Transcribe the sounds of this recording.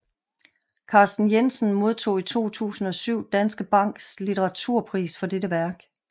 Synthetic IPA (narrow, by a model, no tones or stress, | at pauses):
kʰɑ̈ːsd̥n̩jensənmo̝ð̞ˠt͡sʰo̝̰ːit͡sʰo̝̰ːt͡sʰṵːsn̩ɒ̽syʊ̰d̥ænsɡ̥əb̥ɑ̈ŋ̰ɡ̥slit͡sʰeʁɑ̈t͡sʰuɐ̰pʰʁḭːsfɒ̽d̥eɾəʋæɐɡ̥